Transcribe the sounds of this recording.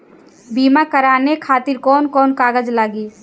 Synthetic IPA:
biːmakəɾaːnekʰaːt̪ɪɾkɔːnkɔːnkaːɡəd͡ʒlaːɡiː

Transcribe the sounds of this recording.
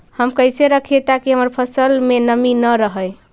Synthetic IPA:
həmkəjseɾəkʰiet̪akiɦəməɾpʰəsəlmenəminəɾəɦəj

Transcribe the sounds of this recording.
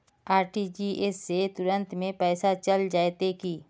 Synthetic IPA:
aːɾʈid͡ʒiʔesːet̪ʊɾə̃nt̪mẽpɛːsat͡ʃəld͡ʒaːet̪ekiː

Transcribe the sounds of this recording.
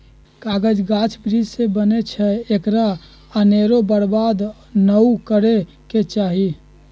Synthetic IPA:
kaɡəd͡ʒɡat͡ʃʰbɾid͡ʒsebənet͡ʃʰɛekɾa | əneɾobəɾbad̪ | nəukəɾe | ket͡ʃaɦi

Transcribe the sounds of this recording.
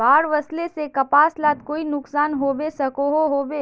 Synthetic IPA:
baːɽʋɐslesekɐpaːslaːt̪̚koːinʊksaːnɦoːbesɐkoɦoɦoːbeː

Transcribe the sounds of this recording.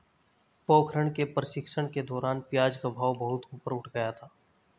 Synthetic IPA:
poːkʰɾəɽ̃kepɾəʃɪkʃəɽ̃ked̪ɔːɾaːnpjaːd͡ʒkabʱaːʋbɐɦʊt̪uːpəɾʊʈʰɡəjat̪ʰaː

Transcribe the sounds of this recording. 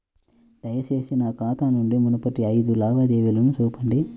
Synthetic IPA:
d̪̥ɐjɐt͡ʃe̞ːsinɐkaːt̪anuɳɖimunɐpɐʈiɐjd̪ulaːbɐd̪eːʋilɐmusuːpɐɳɖi

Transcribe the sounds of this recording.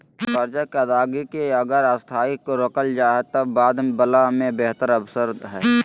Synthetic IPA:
kəɾd͡ʒakeəd̪aːɡikeɐɡəɾast̪ʰaːɪkːoɾəkəld͡ʒaːɦet̪əbaːd̪bəlamẽbeɦt̪əɾəbsəɾd̪ɦɛː

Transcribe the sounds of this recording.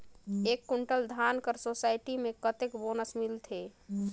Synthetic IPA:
ekːuɳʈəld̪ʱankəɾsosajʈimekət̪ekbonəsmilt̪ʰe

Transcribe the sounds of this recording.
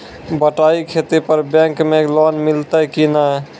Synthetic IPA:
bəʈaikʰet̪epəɾbɛ̃ŋkmelɔnmilt̪əkina

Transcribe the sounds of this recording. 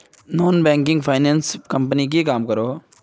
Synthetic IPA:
nɔːnbɛ̃ːŋkɪ̃ŋɡpʰaːɪnɛ̃ːnskəmpənik̬ikaːmkəɾoː

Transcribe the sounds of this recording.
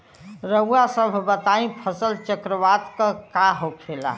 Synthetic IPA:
ɾəuasəbʱbət̪aĩpʰəsəlt͡ʃəkɾəʋat̪kə̃kaɦokʰela̰

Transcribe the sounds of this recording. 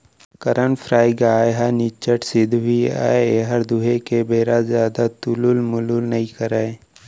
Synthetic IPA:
kəɾənfʰɾaːɪɡaːjɦanit͡ʃəʈsɪd̪ʱɦia̰ːeeɦɐɾd̪uɦekebeːɾazjaːd̪at̪ʊlʊlmʊlulnɐɦĩkəɾa

